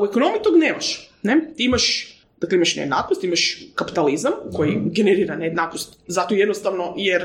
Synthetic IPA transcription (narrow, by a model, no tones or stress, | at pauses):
uekonomijit̪oɡneːmaʃnet̪iimaʃ | d̪akleimaʃnḛjed̪na̰ːknost̪imaʃkapi̥t̪alizamko̞jiɡeneɾiːɾaneed̪naːknost̪zat̪oje̞d̪nost̪aʋnojeɾ